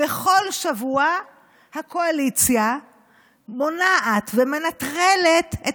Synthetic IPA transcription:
eχo̞lʃavua | hakʰo̞alit͡sja | mo̞naʔat̪veme̞natʁele̞te

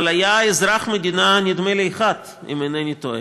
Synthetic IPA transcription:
lajaezɾaχmed̪inanid̪meleːχat̪ | ḭmenenit̪oḛ

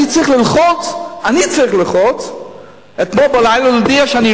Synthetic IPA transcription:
it͡sɾiχlɪlˠχɔt͡sanit͡sɾɪχlɪlχɔt͡s | ɛtmɔbalaɪlˠalodiaʃani

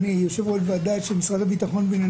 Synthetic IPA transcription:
nijoʃevodvead̪at̪ʃemisʁat̪abit̪aχo̞nbena

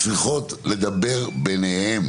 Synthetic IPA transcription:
t͡sʁiχo̞tle̞d̪abe̞ʁbe̞nehem

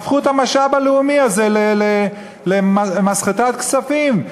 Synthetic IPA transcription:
fχuet̪amaʃabaleumiazelele | lemamasχet̪at̪kt͡safim

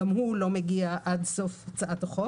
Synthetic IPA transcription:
amhulo̞meɡiaʔad̪so̞ft͡saʔat̪aχo

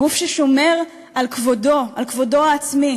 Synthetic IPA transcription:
ufʃeʃo̞me̞ʁ | alkvodoalkvo̞do̞aːt͡smi

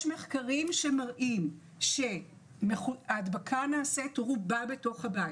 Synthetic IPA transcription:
jʃmeχkaʁimʃe̞maʁʔim | ʃe̞ | meχuaːdbakʰanaːsetʁubabe̞to̞χhabajt

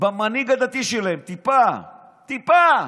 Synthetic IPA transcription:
bamaniɡad̪at̪iʃelaemt̪ipa | t̪ipa

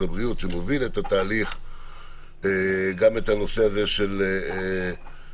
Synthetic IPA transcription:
abʁiut̪vemevilet̪at̪aːliχ | eɡame̞t̪ano̞se̞aze̞ʃe̞le

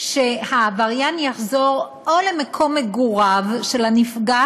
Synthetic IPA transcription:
ʃehavaʁjanjaχzo̞ʁ | ʔolemekʰo̞mːeɡuʁavʃe̞lanifɡa

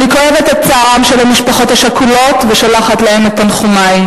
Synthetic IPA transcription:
nikoe̞vet̪ett͡saːʁamʃelamiʃpaχo̞taʃakulo̞tveʃalaχatlahe̞met̪anχumaj

